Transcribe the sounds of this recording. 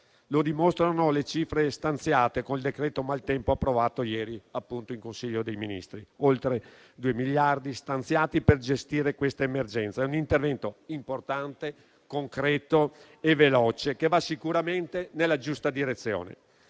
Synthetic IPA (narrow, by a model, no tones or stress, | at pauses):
lod̪imost̪ɾanolet͡ʃifɾest̪ant̪sjaːt̪ekonild̪ekɾɛːt̪omalt̪ɛmpoapːɾovaːt̪ojɛːɾiapːunt̪oiŋkonsiʎːod̪ejminḭst̪ɾiolt̪ɾe | d̪uemiʎːard̪ist̪ant̪sjaːt̪iperd͡ʒest̪iːɾekwest̪aemerd͡ʒɛnt̪saɛunint̪ervɛnt̪oimport̪ant̪e | koŋkɾɛːt̪o | evelɔːt͡ʃekevasikuɾament̪enelːad͡ʒust̪ad̪iɾet̪sːjo̰ːnḛ